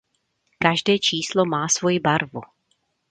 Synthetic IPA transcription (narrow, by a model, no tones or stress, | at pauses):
kaʒdɛːt͡ʃiːslomaːsvo̞jɪbaɾvu